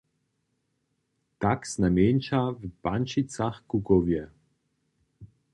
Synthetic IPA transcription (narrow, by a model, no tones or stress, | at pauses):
t̪aksnameːnt͡ʃavpant͡ʃit̪saxkukɔvjɛ